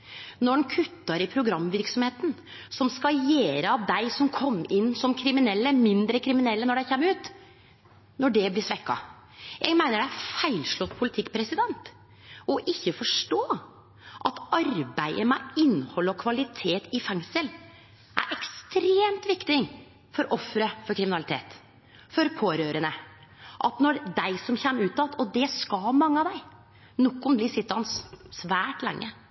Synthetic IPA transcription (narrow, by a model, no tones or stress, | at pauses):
nɔɖnkʰʉt̪ːɑɾɪpʰɾʊɡɾɑmːʋɪɾksɔmheːt̪n̩ | sɔmskɑjeːɾəɑʋd̪æɪsɔmkʰɔmːɪnːsɔmkʰɾɪmɪnɛlːəmɪnd̪ɾəkʰɾɪmɪnɛlːənɔɖæɪçɛmːəɾʉːt̪ | nɔɖɛblɪʂʋɛkːɑ̰ | jʔæ̰ɡmæɪnəɖææfæɪlʂlɔt̪ːpʰʊlɪt̪ʰɪkːpʰɾɛsɪd̪ɛnt̪ | ɔʔɪçːəfɔʂʈoː | ʔɑt̪ɑɾbæɪəmæɪnːhɔlːɔkʰʋɑlɪt̪ʰeːt̪ɪfɛŋsəl | ʔæ̰ɾʔɛkst̪ɾeːmt̪ʋɪkt̪ɪ | fɔɾʔɔfːɾəfɔɾkʰɾɪmɪnɑlɪt̪ʰḛːt̪ | fɔɾpʰoːɾøːɾənəʔɑ̰t̪nɔɾd̪æɪsɔmçɛmːəʉːt̪ɑt̪ɔd̪ɛskɑlmɑŋːəɑʋd̪æɪ | nɔkːʊmb̪lɪsɪt̪ːɑnssʋæːʈlɛ̰ŋːʔə